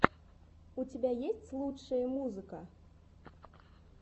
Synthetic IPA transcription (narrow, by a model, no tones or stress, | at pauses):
ut͡sʲabʲajesʲt͡sʲlˠut͡ʂːɐjɐmuzɨkɐ